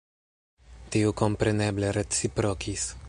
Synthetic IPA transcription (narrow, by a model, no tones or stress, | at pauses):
t̪eukɔmpɾɛnɛbleɾet̪sipɾɔkʰis